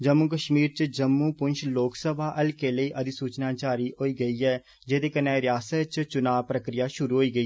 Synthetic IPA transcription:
d͡ʒəmːuːkəʃmiːɾt͡ʃd͡ʒəmːuːpʊnʃloːksəbʱaːʔəlkeːləiːʔəd̪iːsuːt͡ʃnaːt͡ʃaːɾiːɦoːiːɡəiːɛː | d͡ʒeːd̪eːkənɛ̃ːɾɪjaːsət̪t͡ʃt͡ʃʊnaːʋpɾəkɾɪjaːʃʊɾuːɦoːiːɡəiː

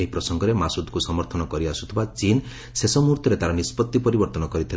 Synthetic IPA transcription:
eɦipɾɔsɔŋɡɔɾemasud̪kusɔmɔɾt̪ʰɔnɔkɔɾiasu̥t̪ʰibat͡ʃin | sesɔmuɾt̪ʰɔɾet̪aɾanispɔt̪ːipɔɾibɔɾt̪ɔnɔkɔɾit̪ʰil

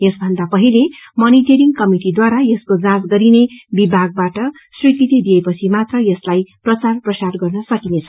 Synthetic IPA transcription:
jesbʱʌnd̪apʌɦilemʌniʈʌɾiŋɡkʌmiʈid̪waɾajʌskod͡zãd͡zɡʌɾinebibʱaɡ̚baʈʌ | srikit̪id̪ijepʌt͡sʰimat̪rʌjʌslajprʌt͡sarprʌsarɡʌrnʌsʌkinet͡sʰʌ

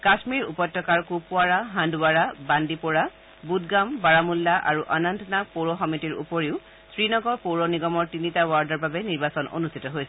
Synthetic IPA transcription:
kasmiɹṵpɔjtːɔkaɹkupʊaɹaɦãnduwaɹabandipɔɹa | budɡambaɹamulːaʔa̰ɹuʔanantnapoɹɔxɔmitiɹṵpɔɹiʊ | sɹinɔɡɔɹpoɹɔniɡɔmɔɹtinitawaɹdɔɹbabɛniɹbasɔnʔo̰nustʰitɔɦojsɛ

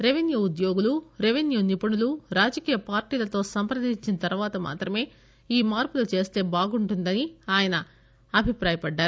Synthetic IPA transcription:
ɾeʋinjuud̪jo̞ːɡuluɾeʋinjuːnipɐɳuluɾaːd͡ʒɐkiːjɐpaːɾʈiːlɐt̪o̞ːsɐmpɾɐd̪iɲt͡ʃinɐt̪ɐɾuʋaːt̪ɐma̰ːt̪ɾɐme̞ː | iːmaːɾpulut͡ʃe̞ːst̪e̞ːbaːɡuɳʈund̪ɐniaːjɐnɐ | ɐbʱipɾaːjɐpɐɖːaːɾu

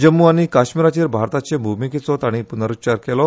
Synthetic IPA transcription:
d͡ʑəmːuañikaɕmiɾat͡ɕiːɾbʱaɾt̪at͡ɕebʱumiket͡sɔt̪aɽ̃ipunəɾut͡ɕaɾkɛlɔ

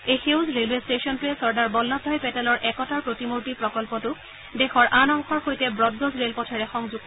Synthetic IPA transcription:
ejxewzɹelwestesɔntʊɛsɔɹdaɹbɔlːɔdʱɔjpɛtɛlɔɹʔɛkɔtaɹpɹotimoɹtipɹɔkɔlpɔtʊ | dɛxɔɹʔanɔŋkʰɔɹxojtɛbɹɔd̚ɡozɹelpɔtʰɔɹɛxɔŋzuɡ

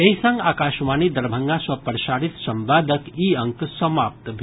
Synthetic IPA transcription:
eisɐ̃ŋɡaːkaːʃmaːnid̪ɐɾbʱɐŋɡasɐpəɾʃaːɾit̪sɐmbaːd̪ʱəkiɐ̃ŋksɐmaːp̚t̪bʱ

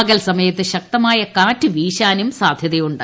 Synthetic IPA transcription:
ɐɡɐlsɐmɐjɐt̪ːɨɕɐk̚t̪ɐmaːjɐkaːtːɨʋiːɕaːnumsaːd̪ʱjɐðɐjuɳɖɐ

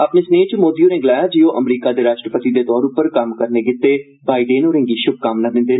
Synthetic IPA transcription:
apneːsneːt͡ʃəmoːd̪ijõːneːɡɪlaːjaːd͡ʒiːoːʔəmɾiːkaːd̪eːɾaːʃʈɾəpət̪iːd̪eːt̪ɔːɾʊpːəɾkəmkəɾneːkɪt̪ːeː | baːiɖeːnoːɾɪ̃ŋɡiːʃʊb̚kaːmnaːd̪ɪ̃nd̪eːn

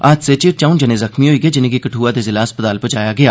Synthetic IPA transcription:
aːd͡ʒset͡ʃeːɾt͡ʃaːʊnd͡ʒɐnezɐxmiɦoːiɡed͡ʒɪnẽkikɐʈʰuːad̪ezɪlaɐspət̪aːlpət͡ʃaːjaɡɐjaː

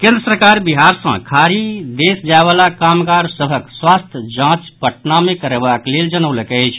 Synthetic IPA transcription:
kẽnd̪ɾəsəɾkaɾbiɦaɾsə̰̃kʰaɾid̪esd͡ʒaeβalakamkaɾsəbʱəkswast̪ʰjəd͡ʒãt͡ʃpəʈnamekəɾebakleld͡ʒənəwləkəjt͡ʃʰ

